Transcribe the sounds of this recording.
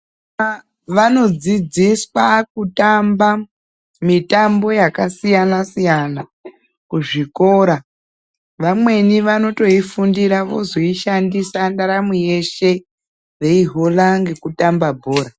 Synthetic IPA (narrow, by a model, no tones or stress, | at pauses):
ʋano̞d͡zid͡ziswak̚utamba | mitambo̞jakasijanasijana | kuʐiko̞ːɾa | ʋamwe̞niʋano̞to̞ifundiɾaʋo̞zoiʃandisandaɾamweje̞ʃe̞ | ʋe̞iɦo̞laŋɡe̞kutambabʱo̞ːɾa